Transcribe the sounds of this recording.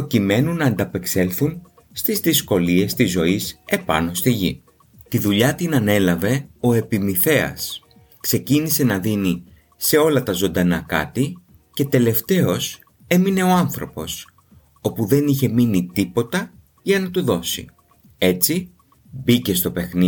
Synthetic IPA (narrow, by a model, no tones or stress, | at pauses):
po̞cime̞nunɐːnd̪ɐpe̞kse̞lθun | st̪izðisko̞lie̞st̪izo̞ise̞pɐ̰no̞st̪iʝḭ | t̪iðuʎɐt̪inɐne̞lɐve̞o̞e̞pimiθe̞ɐ̰s | kse̞cinise̞nɐðini | se̞o̞lɐt̪ɐzo̞nd̪ɐnɐkɐ̰t̪i | ce̞t̪e̞le̞ft̪e̞o̞s | e̞mine̞o̞ɐnθɾo̞po̞s | o̞puðe̞niçe̞minit̪ipo̞t̪ɐ | ʝɐnɐt̪uðo̞sḭ | e̞t͡si | bice̞st̪o̞pe̞xni